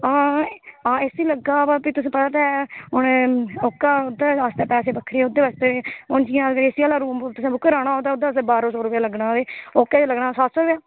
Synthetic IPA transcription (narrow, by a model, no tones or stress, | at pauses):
ãːãːesiːləɡːaːbapiːt̪ʊsĩːpət̪aːt̪ɛːʊnoːkːaːʊd̪aːaːst̪eːpɛːseːbəkʰːɾeːʊd̪ːeːʋaːst̪eːʊnd͡ʒiːãːɡəɾeːsiaːlaːɾuːmt̪ʊsĩːbʊkːəɾaːɽ̃aːɦoːd̪aːʊd̪aːseːbaːɾõːsoːɾʊpjaːləɡnãːd̪eːoːkːeːt͡ʃːləɡnaːsaːt̪soːɾʊpjaː